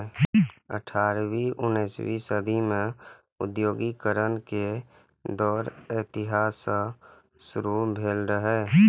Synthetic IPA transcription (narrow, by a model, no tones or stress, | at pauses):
ə̰ʈʰaːɾʋiʔʊnːeːswḭsəd̪ʱimẽ | ʊ̰d̪joːɡikəɾənke | d̪ɔːɾet̪ɪɦaːsə | sʊɾubʱeːlɾəɦɛː